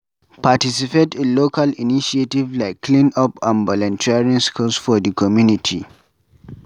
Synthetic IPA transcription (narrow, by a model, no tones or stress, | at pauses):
patisipetĩnlokʰaliniʃietivlaɪkʰːlĩnɔpãnbɔlɔ̃ntʰiaɹĩnskulsfɔdikʰɔmjunitʰḭ